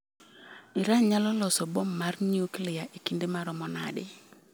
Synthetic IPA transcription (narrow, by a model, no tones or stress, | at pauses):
ɪɾaɲɲalɔlɔsɔbɔmːarɲiuklɪjaʔikindemaɾɔmɔna̰ɗɪ̰